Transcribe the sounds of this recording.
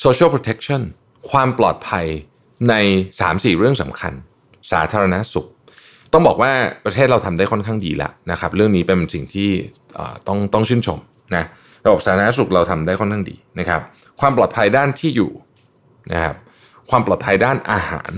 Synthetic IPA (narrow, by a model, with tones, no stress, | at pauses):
soː˧t͡ɕʰːpʰɾoː˧t̪ʰe˦˥k̚t͡ɕʰɔ˥˩n | kʰwaː˧mplɔ̰ː˨˩t̪̚pʰa˧j | na˧jsa̰ː˩˦msiː˨˩ɾɯ˥˩əŋsa̰˩˦mkʰa̰˧n | saː˩˦t̪ʰaː˧ɾa˧na˦˥su˨˩k̚ | t̪ɔ˥˩ŋbɔː˨˩k̚waː˥˩pɾa˧t̪ʰeː˥˩t̪̚ɾa˧wt̪ʰa˧mdaː˥˩jkʰɔ˥nkʰaː˥˩ŋdḭː˧la̰˨˦ʔna˦˥kʰa˦˥p̚ɾɯ˥˩əŋniː˦˥pe˧nsi˨˩ŋt̪ʰiː˥˩ | ʔə̰ː˨˩t̪ɔ˥˩ŋt̪ɔ˥˩ŋt͡ɕʰɯ˥˩nt͡ɕʰo˧m | na˦˥ | ɾa˧ba˨˩p̚saː˩˦t̪ʰa˧˩a˥su˨˩k̚ɾa˧wt̪ʰa˧mdaː˥˩jkʰɔ˥˩nkʰaː˥˩dḭː˧na˦˥kʰa˦˥p̚ | kʰwaː˧mplɔː˨˩t̪̚pʰa˧jdaː˥˩nt̪ʰiː˥˩jṵː˨˩ | na̰˦˥kʰa˦˥p̚ | kʰwaː˧mplɔː˨˩t̪̚pʰa˧jdaː˥˩nʔaː˧ha̰ː˩˦n